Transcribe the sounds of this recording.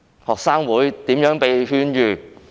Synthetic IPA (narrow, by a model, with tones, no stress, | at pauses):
hɔː˨k̚saː˥ŋwuː˨˥jt̪iː˨˥mjœː˨˥ŋpe˨jɦyː˥njyː˨